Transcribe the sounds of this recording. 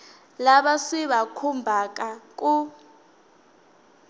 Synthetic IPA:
laɓasiɓakʰumbʱak̬ʼak̬ʼu

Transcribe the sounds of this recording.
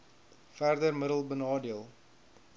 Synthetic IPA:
færdərmədəlˠbənɑːdiəlˠ

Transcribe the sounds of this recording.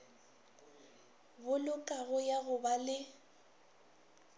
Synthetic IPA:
bʊlʊkʼaɣʊjaɣʊbalɪ

